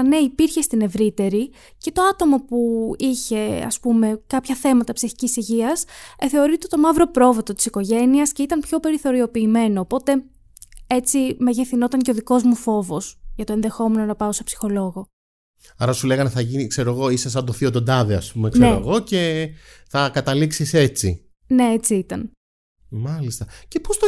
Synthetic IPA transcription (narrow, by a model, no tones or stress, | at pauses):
ne̞ipiɾçe̞st̪ine̞vɾit̪e̞ɾi | ce̞t̪o̞ɐt̪o̞mo̞puiçe̞ɐ̰spume̞kɐpçɐθe̞mɐt̪ɐpsiçicisiʝiɐsθe̞o̞ɾit̪et̪o̞mɐvɾo̞pɾo̞vet̪o̞t̪i̥siko̞ʝe̞niɐsce̞it̪ɐnpço̞pe̞ɾiθo̞ɾio̞piːme̞noːpo̞t̪e̞ | e̞t͡simeʝeθino̞t̪ɐŋceoðiko̞zmufo̞vo̞sʝɐt̪o̞e̞nðe̞xo̞me̞no̞nɐpɐose̞psi̥xo̞lo̞ɣo̞ | ɐɾɐsule̞ɣɐnθɐʝinikse̞ɾoɣo̞isɐsɐd̪oθiod̪ond̪ɐðeɐ̰spumekseeɾoɣo̞ce̞θɐkɐt̪ɐliksise̞t͡sḭ | ne̞et͡siit̪ɐn | mɐlist̪ɐce̞post̪o